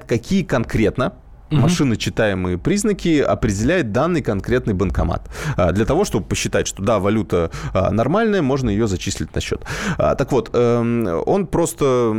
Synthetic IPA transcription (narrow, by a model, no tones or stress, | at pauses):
kɐkʲijəkɐnkɾʲe̞t̪nə | mɐʂɨnɨt͡ɕːɪt̪ajɪmɨjəpɾʲiznəkʲɪɐ̰pɾʲɪdʲɪlʲæjɪt̪̚d̪anːɨjkɐnkɾʲet̪nɨjbənkɐma̰t̪ːd̪lʲət̪ɐvo̞ʂt̪o̞bəpəɕːɪt̪atʲʂt̪o̞d̪avɐlʲut̪ə̰nɐrmalʲnəjəmo̞ʐnəjɪjozɐt͡ɕisʲlʲɪtʲnɐɕːo̞̰t̪ːt̪ɐkvo̞t̪əo̞npɾo̞st̪ə